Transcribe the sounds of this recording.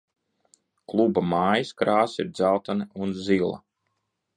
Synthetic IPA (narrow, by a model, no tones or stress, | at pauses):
klˠubamaːjiskɾaːsiɾd̪zawt̪aniunzilˠa̰